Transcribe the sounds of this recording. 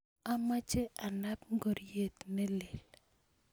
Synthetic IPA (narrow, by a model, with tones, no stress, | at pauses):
a˦ma˦t͡ʃe˦ʔa˨na˦pŋɡo˨ɾje˨t̪nɛ˦lɪ˨l